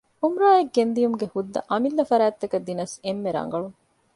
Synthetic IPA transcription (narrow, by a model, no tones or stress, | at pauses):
umɾaːjeɡːend̪ijumuɡehud̪ːɐ̰ʔɐmilːɐfɐɾæːt̪ːɐkɐd̪ːinɐsemːeɾɐ̰ŋ̆ɡɐɭuŋ